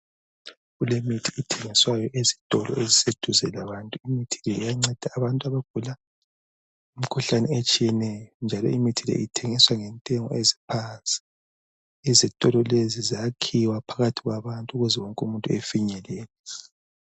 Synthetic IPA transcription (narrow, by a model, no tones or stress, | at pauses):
ɣulemitʰiːtʰɛŋiswajɔʔezitʼɔlɔ̰ezised̥ʱuzɛlaβantʼuimitʰilɛijaŋ͡ǀɛd̥ʱaːβantʼuaβaɡ̥ʱula | um̩kʰuɬanɛet͡ʃʼijɛnɛjɔnd͡ʒʱalɔ̰ʔimitʰilɛ̰ʔitʰɛŋiswaŋɛntʼɛŋɔ̰ʔezipʰant͡sʼi̥ | izitʼɔlɔlezizakʰiwapʰaɣatʰiɣwaβantʼuɣuzɛwɔŋkʼumuntʼuefiɲɛlɛːlɛ